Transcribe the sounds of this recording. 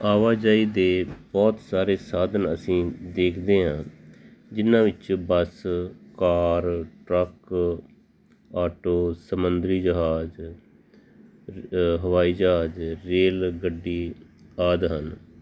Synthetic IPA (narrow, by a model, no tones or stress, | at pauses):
aːʋaːd͡ʒaːiːd̪eːbɔːt̪saːɾeːsaːd̪ənəsĩːd̪eːkʰd̪eːɦãː | d͡ʒɪnãːʋɪt͡ʃbəskaːɾʈɾək | aːʈoːsəmənd̪ɾiːd͡ʒəɦaːd͡ʒ | ɦəʋaːiːd͡ʒəɦaːd͡ʒɾeːlɡəɖːiːaːd̪ɦən